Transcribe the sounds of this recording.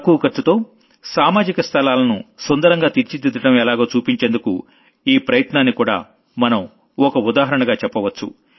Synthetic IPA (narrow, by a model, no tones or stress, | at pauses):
kuʋɐkɐɾt̪ːut̪o̞ː | saːmaːd͡ʒikɐst̪ʰɐlaːlɐnusond̪ɐɾɐŋɡaːt̪iɾt͡ʃid̪id̪ɐʈɐmɛlaːɡoːt͡ʃuːpiɲt͡ʃe̞ːnd̪ukṵ | iːpɾɐjɐt̪naːnːikuːɽa̰ː | mɐnɐm | ɔkɐud̪aːɦɐɾɐɳɐɡaːt͡ʃɛpːɐʋɐt͡ʃːṵ